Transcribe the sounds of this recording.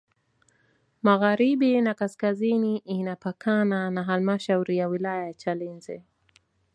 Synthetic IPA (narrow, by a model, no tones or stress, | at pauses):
maɣaɾiɓinakaskaziniʔinapakʰananaɦalmaʃauɾijawilajajat͡ʃalinzɛ